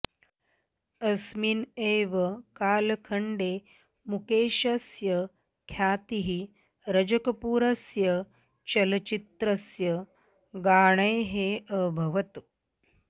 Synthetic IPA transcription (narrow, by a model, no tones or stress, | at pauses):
ɐsmineːʋɐkaːlkʰɐɳɖeː | mukeːʃɐsjə | kʰjaːt̪iɦi | ɾɐd͡ʒɐkɐpuːɾɐsjɐ | t͡ʃɐlɐt͡ʃit̪ɾɐsjɐ | ɡaːɳ̃ɐjɦeəbʱɐʋɐt̪